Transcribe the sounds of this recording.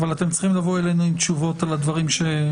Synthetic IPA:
valat̪e̞mt͡si̥χimlavo̞elejnuimt̪ʃuvo̞t̪alad̪vaʁimʃe̞

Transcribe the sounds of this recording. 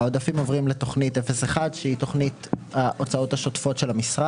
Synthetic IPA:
odafimo̞vʁimleto̞χnitefeseχadʃeito̞χnitaʔot͡sao̞thaʃo̞tfo̞tʃelamisʁa

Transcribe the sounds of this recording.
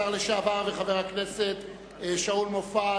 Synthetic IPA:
aʁleʃaːvaʁveχaveʁhakneset̪ | ʃaulmofa

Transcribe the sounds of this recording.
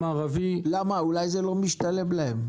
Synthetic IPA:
aʁavilamaulajzelɔ̃mbiʃtaleblɛm

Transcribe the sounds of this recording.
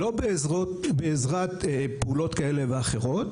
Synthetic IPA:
lobezʁobeːzʁat̪peulo̞t̪kaeleveaχe̞ʁo̞t

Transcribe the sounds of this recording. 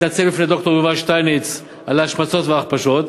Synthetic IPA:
nat͡sebifned̪o̞kt̪o̞jevaʃt̪ajnet͡s | alaaʃmat͡so̞t̪veaːχpaʃot̪

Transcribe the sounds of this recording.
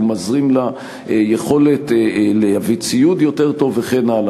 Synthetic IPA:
mazʁimla | jeχo̞le̞tleavit͡sijutjo̞te̞ʁto̞veχenala

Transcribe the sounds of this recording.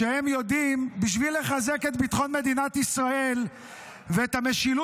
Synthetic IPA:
ehemjo̞d̪imbiʃvilːe̞χaze̞ke̞t̪̚bit̪χo̞nmed̪inat̪isʁae̞l | veːt̪hame̞ʃilu

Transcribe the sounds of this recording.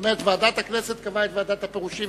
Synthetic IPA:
met̪vead̪at̪hakneset̪̚kavaet̪vead̪at̪apeʁuʃi

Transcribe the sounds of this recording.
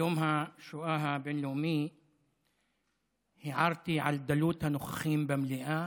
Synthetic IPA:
oːmhaʃʊʔaːɦabenluːmiː | hiʕɑɾˤt̪iʕa̰ld̪aluːt̪hanʊxxiːmbamliʔa

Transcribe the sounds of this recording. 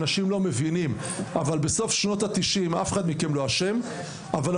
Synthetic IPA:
naʃimlo̞me̞vinim | avalbe̞so̞fʃno̞t̪at̪iʃimafeχad̪mikemloaʃe̞m | aval

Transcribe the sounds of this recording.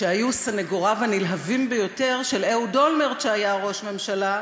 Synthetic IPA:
ʃeajusaneɡoʁavanilɦavimbejo̞te̞ʁʃe̞leudo̞lmeʁʃeajaʁo̞ʃme̞mʃala

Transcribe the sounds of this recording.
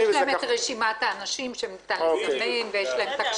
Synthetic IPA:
jʃleemetʁeʃimat̪aːnaʃimʃemt̪alifneemvejeʃlaemt̪ak

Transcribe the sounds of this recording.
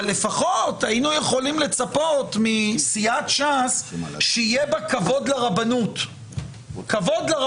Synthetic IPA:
le̞faχo̞tainuje̞χo̞limle̞t͡sapo̞tmisiat̪ʃasʃeijebakavo̞d̪leʁabanut | kavo̞d̪laʁ

